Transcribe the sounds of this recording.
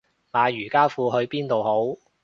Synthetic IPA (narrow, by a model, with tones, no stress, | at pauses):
maː˨˧jyː˨˩kaː˥fuː˧ɦɵ˧ɥpiː˥nt̪o˨who˨˥w